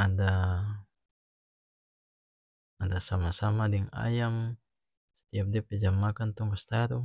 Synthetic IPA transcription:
ada | adasamasamadɛŋa̰jam | sɛ̥t̪iap̚diapɛd͡ʒamːakant̪ɔŋkast̪aɾu

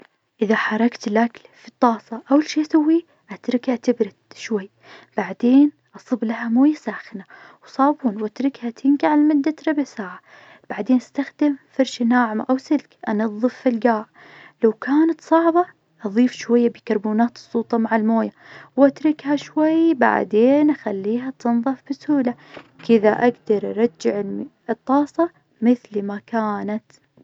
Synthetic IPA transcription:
ʔɪðaħɑɾˤɑkt̪ɪlʔaklfit̪ˤːɑːsˤɑʔawlʃiːsawːi | ʔat̪ɾˤɪkhat̪ɪbɾɪd̪ʃwajː | b̥aʕd̪eːn | ʔɑsˤɨblaɦamoːjasaːxɪnawsˤɑːbuːnwʔat̪ɾɪkhat̪ʰɪŋɡaʕalmʊd̪ːat̪ɾˤɑbɪʕsaːʕa | b̥aʕd̪eːnʔast̪axd̪ɪmfɑɾʃanaːʕmaʔawsɪlkʔanɑðˤːɨfːilɡaːʕ | lawkʰaːnat̪sˤɑʕbɑ | ʔɑðˤiːfʃwajːabɪkɑɾˤbuːnaːt̪ɨ̥sˤːuːt̪ˤɑmaʕalmoːjawʔat̪ɾɪkhaʃwajːba̰ʕd̪eːnʔaxalːiːɦat̪ɨnðˤɑfb̥ɪsuːla | kɪðaʔaɡd̪ɑɾˤʔɑɾˤɑd͡ʒːɪʕɪ | ɨt̪ˤːɑːsˤɑ | mɪθlmakaːnat̪

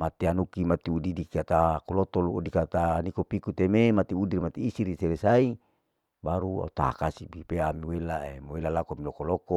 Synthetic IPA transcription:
mat̪ianukimat̪iudidikiat̪akolot̪oluodikat̪anikopikut̪ememat̪iudirmat̪iːsiɾiseɾesai | baɾua̰ut̪a̰kasibipeamiwelaḛmowelalakoamilokoloko

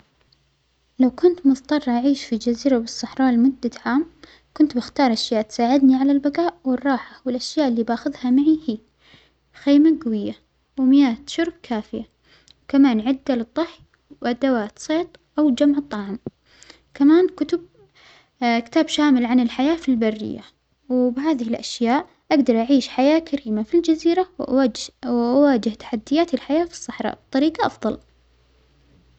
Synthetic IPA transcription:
lawkʊnt̪mʊðt̪ˤɑrˤʔaʕiːʃfid͡ʒaziːɾabɨsˤːɑħɾˤɑːlmʊd̪ːat̪ʕaːm | kʊnt̪bɪxt̪ɑːɾˤʔaʃjaːʔt̪saːʕɪd̪niʕalalbaɡaːʔwɪrˤːɑːħawɪlʔaʃjaːʔɪlːiːbaːxʊðhamaʕihiː | xeːmaɡwɪjːa | wmɪjaːt̪ʃʊɾb̚kʰaːfɪja | wkamaːnʕɪd̪ːalɨd̪ˤːɑħj | wʔad̪awaːt̪sˤeːt̪ˤʔawd͡ʒamʕɨt̪ˤːɑʕm | kamaːnkʊt̪ʊb̚ | kɪ̥t̪aːbʃaːmɪlʕanɪlħajaːfilbarːɪ̰jːa | wbɪɦaːðɪhɪlʔaʃjaːʔ | ʔaɡd̪ɑɾˤʔaʕiːʃħajaːkʰaɾiːmafild͡ʒaziːɾawʔ | ʔawaːd͡ʒɪht̪ḁħad̪ːɪjaːt̪ɪlħajaːfi̥sˤːɑħɾˤɑ̰ːbt̪ˤːɑɾiːqɑʔɑfðˤɑl

